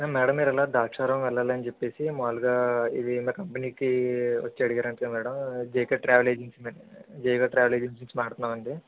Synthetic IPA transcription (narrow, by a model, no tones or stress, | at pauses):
aːmɛːɽɐmːiːɾɛlaːd̪aːkʂaːɾɐmʋɛlːaːlɐnit͡ʃepːe̞ːsimaːluɡaːid̪imiːkɐmpɐniːkiʋɐ̰t͡ʃːɛɐɽiɡaːɾɐɳʈeːmɛːɽɐmd͡ʒejkeʈɾaːʋɐleːd͡ʒinsimːnd͡ʒeːjɡaːʈɾaːʋɐleːd͡ʒɐns̬insimaːɽt̪unːaːmɐɳɖi